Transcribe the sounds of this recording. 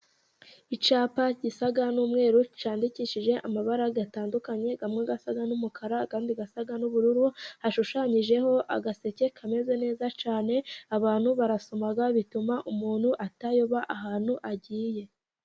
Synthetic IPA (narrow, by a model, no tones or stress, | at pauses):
it͡ʃaːpaɟisaɡanuːmŋe̞ːɾut͡ʃaːndiciːʃiʒe̞ʔamaβaɾaɡataːndukaɲe̞ɡamŋeɡasaɡanumukʰaɾakaːndiɡasaɡanuβuɾuɾuhaʃuʃaɲiʒe̞ho̞ʔa̰ɡase̞ce̞kʰame̞zene̞ːzat͡ʃaːne̞aβaːn̥huβaɾaso̞maɡaβitumaʔumuːnhuʔatajoβaʔaɦaːn̥huʔaɟiːje̞